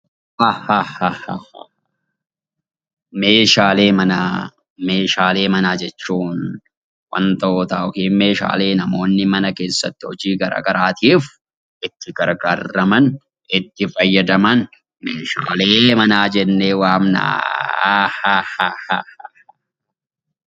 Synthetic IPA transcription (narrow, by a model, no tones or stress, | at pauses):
hahahahaha | me̞ːʃaːle̞ːmɐna | me̞ːʃaːle̞ːmɐnaːd͡ʒɛt͡ʃːuːn | wɐ̰nt̪oːt̪aːʔɔkeːnme̞ːʃa̰ːle̞ːnɐmo̞ːnːɪmɐnɐke̞ːsːɐt̪ːɪhɔd͡ʒiːɡɐɾa̰ːɡɐɾaːt̪iːf | ʔɪt̪ːɪɡɐɾɡaːɾːɐmɐn | ɪt̪ːɪfɐjːɐd̪ɐmɐn | meːʃaːle̞ːmɐnaːd͡ʒɛnːeːwaːmna̰ːahahahaha | a